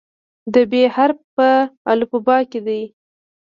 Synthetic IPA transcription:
d̪əbehaɾpəa̰lupabɑked̪aj

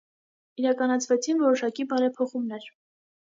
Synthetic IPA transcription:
iɾɑkɑnɑt͡sʰvɛt͡sʰinvɔɾɔʃɑkibɑɾɛpʰɔχumnɛɾ

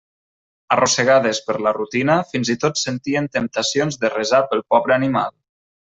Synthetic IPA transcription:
ərʔosəɣaðespəɾlərut̪inəfinzit̪ot̪sənt̪iənt̪əmp̚t̪asionzðərəzapəlˠpɔβɾəanima̰lˠ

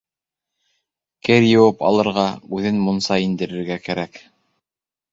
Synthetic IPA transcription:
kɘɾjɤ̆wɤpɑ̰lˠɤ̆ɾʁɑʉðɘnmunsɑind̪ɘ̆ɾɘ̆ɾɡækæɾæk

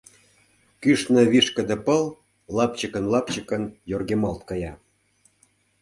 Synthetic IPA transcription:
kyʃnə̆βiʃkə̆d̪ə̆pəl | lɑpt͡ɕəkənlɑp̚t͡ɕəkə̆njorɣemɑlt̪̚kɑjɑ

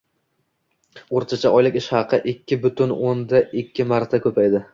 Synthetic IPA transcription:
oɾt̪ʰat͡ʃʰaɒjlɪkʲɪʃhɑqʰɨʔɪkʲʰːɪbʊt̪ʊnond̪aʔɪkʲʰːɪmaɾt̪ʰakʰʲɵpʰajd̪ɪ

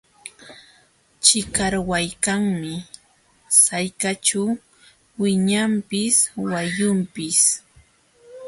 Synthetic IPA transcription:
t͡ʃɪkaɾwajkaŋmɪ | sajkat͡ʃa | wɪɲampɪswajʊmpɪs

